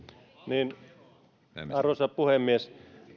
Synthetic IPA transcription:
niːn | ɑrosɑppuhemːies

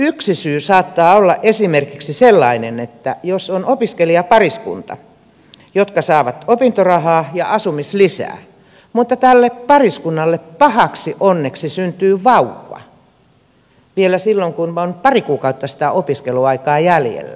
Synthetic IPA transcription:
yksisyːsɑːt̪ːɑːolːɑʔʔesimerkiksiselːɑinenet̪ːæjosonopiskeliɑpɑriskṵnt̪ɑ̰ | jot̪kɑsɑːʋɑt̪opint̪orɑhɑːjɑʔɑsumislisæ̰ː | mut̪ːɑt̪ælːeppɑriskunːɑlːeppɑhɑksiʔonːeksisynt̪yːʋɑuʋːɑ̰ | ʋielæsilːoŋkunonpɑrikuːkɑut̪ːɑsi̥t̪æʔopiskeluɑikɑːjæljḛlːæ̰

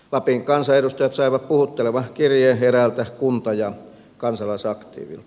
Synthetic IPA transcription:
lɑpiŋkɑnsɑedust̪ɑjɑt̪sɑˑiʋɑppuhut̪ːeleʋɑkirjeherælt̪ækunt̪ɑjɑ | kɑnsɑlɑˑisɑkt̪ḭːʋḭlt̪

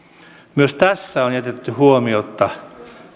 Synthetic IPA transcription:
myøst̪æsːæonjæt̪et̪ːyhuomiot̪ːɑ

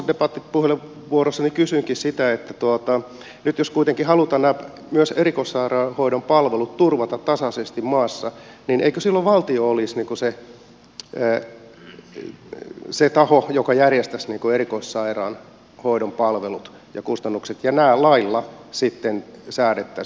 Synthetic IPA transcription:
depɑt̪ːipuhele | ʋuorosːɑnikysyiŋkissit̪æet̪ːæt̪uot̪ɑ | nyt̪joskuit̪eŋkihɑlut̪ɑnnæːp | myøserikoissɑirɑːhoiɾompɑlʋelut̪t̪urʋɑt̪ɑt̪t̪ɑsɑsest̪immɑːsːɑninʔeikøsilːoʋʋɑlt̪ioolːˑisniːŋkuse | set̪ɑhojokɑjærjest̪æsniːŋkuerikoissɑirɑːn | hoidompɑlʋelut̪ | jɑkust̪ɑnːukset̪jɑnæːlɑilːɑsit̪ːensæːɾet̪ːæ

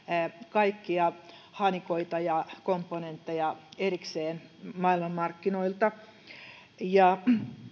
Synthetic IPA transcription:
kɑikːiɑhɑnikoit̪ɑjɑkompːonent̪ːejɑerikseːnmɑilmɑmːɑrkːinoilt̪ɑ | jɑ

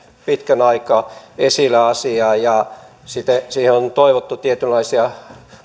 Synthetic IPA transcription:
pit̪kænɑikɑesilːæɑsiɑːjɑ | sit̪ːesiːheont̪oiʋot̪ːut̪iet̪ylːɑisiɑ

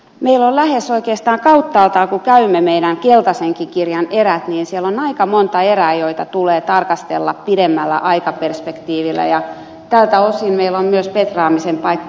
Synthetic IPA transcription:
meilollæhesoikeːst̪ɑːŋkɑut̪ːɑːlt̪ɑːkukæymːemeiɾæŋkelt̪ɑseŋkikirjɑneræt̪niːnsielonɑikɑmont̪ɑeræːjoit̪ɑt̪uleːt̪ɑrkɑst̪ḛlːɑ̰ppiɾemːælːæ̰ʔɑikɑperspekt̪iːʋilːˑæ̰jɑ | t̪ælt̪æosinmeilommyøspet̪rɑːmisempɑikː

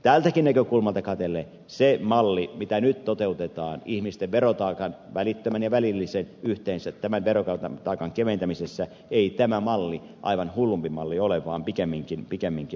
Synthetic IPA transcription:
t̪æːlt̪ækinnækøkulmɑlt̪ɑkɑt̪elːˑeː | semɑlːimit̪ænyt̪t̪ot̪eut̪et̪ɑːnihmist̪eʋʋerot̪ɑːkɑnʋælit̪ːømænjɑʋælilːisenyht̪eːnsæt̪tæmænʋerokɑt̪ɑt̪ɑːkɑŋkeʋent̪æmisesːæ | eit̪æmæmɑlːi | ʔɑ̰iʋɑnhulːumpimɑlːioleʋˑɑːmpikemːiŋkinpikemːiŋki

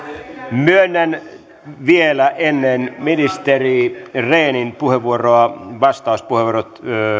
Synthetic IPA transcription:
myønːæn | ʋielæʔenːenminist̪erireːninpuheʋuoroɑʋɑst̪ɑˑuspuheʋuorot̪

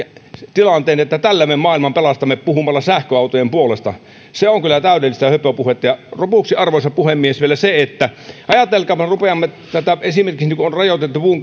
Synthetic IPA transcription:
t̪ilɑnt̪ˑeːniet̪ːæt̪ælːæmemmɑːˑilmɑmpelɑst̪ɑmːepuhumɑlːɑsæhkøɑˑut̪ojempuolest̪ɑ̰ | seoŋkylːˑæt̪æˑødelːist̪ɑhøpøpuhet̪ːɑjɑropuksiɑrʋoˑsɑpuhemːiesʋielæseet̪ːæʔɑjɑt̪elkˑɑːmːɑrupeɑmːe | t̪æt̪æesimerkiksnikuonrɑjot̪et̪ːupuːŋ

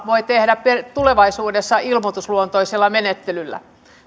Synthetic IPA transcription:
ʋoit̪ehdæppet̪uleʋɑisuːdesːɑilmot̪usluont̪oisilːɑmenet̪ːelylːæ̰

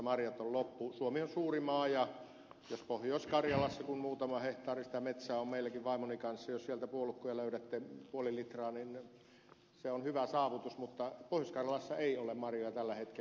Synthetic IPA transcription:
mɑrjɑt̪ollopːusuomionsuːrimɑːjɑ | jospohjoˑsʲkɑrjɑlɑsːɑkunmuːt̪ɑmɑheht̪ɑːrisi̥t̪æmet̪sæːommeˑilːˑækiʋʋɑˑimonikɑnsːɑjossielt̪æpuolukːujɑløˑyɾæt̪ːepuolilit̪rɑːnin | seonhyʋæsɑːʋut̪usmut̪ːɑpohjoskɑrjɑlɑsːɑeˑiolemmɑrjojɑt̪ælːæhet̪ke

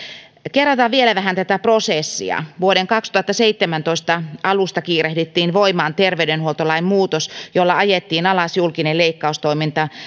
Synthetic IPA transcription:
kerːɑt̪ɑʋʋielæʋæɦænt̪æt̪æprosesːḭɑ̰ʋuoɾeŋkɑkst̪uɑt̪ːɑseit̪ːemænt̪oist̪ɑɑlust̪ɑkiːrehdyt̪ːiːnʋoimɑːnt̪erʋeydenhuolt̪olɑimmuːt̪osjolːɑɑjet̪ːiːnɑlɑsjulkineleikːɑust̪oimint̪ɑ

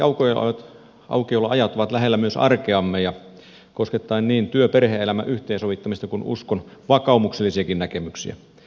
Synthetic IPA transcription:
jɑ̰uko̰t̪ | ʔɑ̰ukiolːɑɑjɑt̪ːoʋɑt̪læɦelːæmyøsɑ̰rkeɑmːejɑ | kosket̪ːɑinniːnt̪yøperheelæmæ̰ʔyht̪ˑeːnsoʋit̪ːɑmist̪ɑkunṵskonʋɑkɑˑumukselːˑisiɑkinnækemyksḭæ̰

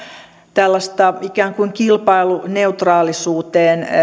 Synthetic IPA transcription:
t̪ælːɑst̪ɑikæːŋkuiŋkilpɑiluneut̪rɑːlisuːt̪eːn

